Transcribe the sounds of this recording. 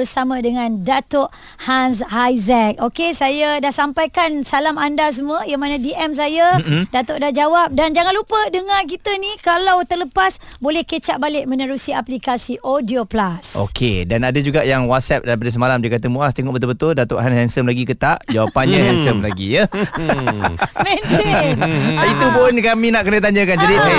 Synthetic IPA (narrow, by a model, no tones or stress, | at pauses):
bərsamãdəŋãndat̪oʔ | hans̬hajzɛk̚okesajadahsampajkansalamandas̬əmuəjaŋmanãdiʔɛms̬ajadat̪ʊʔdahd͡ʒawap̚dand͡ʒaŋanlupədəŋank̬it̪ənikalawt̪ərləpasbolɛhkət͡ʃaʔbalɪʔmənəɾusiaplikasiʔodioplaso̰kʰedanadəd͡ʒuɡaʔjaŋwat̪̚sɛp̚daɾip̬adas̬əmalamdəkat̪əmũast̪eŋɔʔbət̪̬ʊlbət̪ʊldat̪oʔɦanhɛnsəmlaɡikət̪aʔd͡ʒawapanɲaɦɛnsəmlaɡḭjə | mɛnt̪e | it̪upʊnkamĩnaʔkənət̪̬aɲəkand͡ʒadi